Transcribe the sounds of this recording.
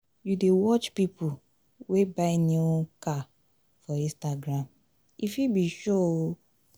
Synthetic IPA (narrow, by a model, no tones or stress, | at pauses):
judewɔt͡ʃpipʰu | webaɪnoka | fɔĩstaɡɾãm | ifibiʃo